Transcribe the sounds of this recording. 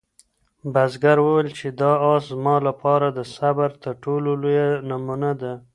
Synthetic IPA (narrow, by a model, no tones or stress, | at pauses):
bazɡaɾwəwəlt͡ʃed̪ɑɑszmɑlapɑɾad̪əsabaɾt̪əɾʈololojanamunad̪a